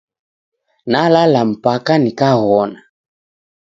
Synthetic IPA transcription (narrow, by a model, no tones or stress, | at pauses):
nalalam̩pakanikaɣɔna